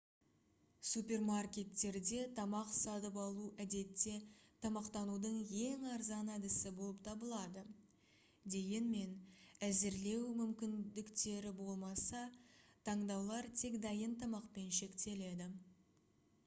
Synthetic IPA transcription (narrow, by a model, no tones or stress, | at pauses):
supʲe̞rmarkʲe̞t̪ːe̞ɾd̪e̞t̪ʰɑmɑqsɑt̪əpɑlˠuʔæd̪e̞t̪ːe̞t̪ʰɑmɑqt̪ɑnud̪əɴje̞ŋɑɾzɑnæd̪ɪsɪbo̞lˠəp̚t̪ʰɑbəlˠɑd̪ə | d̪e̞ɡʲe̞nme̞næzɪɾle̞wmʏmkʲɪnd̪ɪkt̪e̞ɾɪbo̞lˠmɑsɑt̪ʰɑɴd̪ɑwlˠɑɾt̪ʰe̞kd̪ɑjənt̪ʰɑmɑqpe̞nʃe̞kt̪e̞le̞d̪ɪ